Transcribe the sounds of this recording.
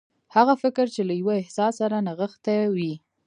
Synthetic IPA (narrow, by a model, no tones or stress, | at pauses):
haɣafɪkɾt͡ʃelajwaɪhsɑsaɾanaɣəxt̪awi